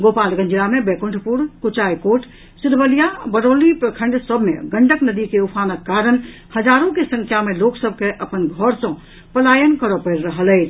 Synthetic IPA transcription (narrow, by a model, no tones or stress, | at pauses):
ɡopalɡə̃ɲd͡ʒiɾamebekuɳʈpuɾkut͡ʃajkoʈ | siɾbəlijabəɾolipɾəkʰə̃ɳɖsəbʱmḛɡəɳɖəknəd̪ikeupʰanəkːaɾən | həd͡ʒaɾõkesə̃ŋkʰjameloksəb̚ʱkeʔəpənɡʱɔɾsə̃ | pəlajənkəɾəpəɾɾəɦələɪt͡ʃʰ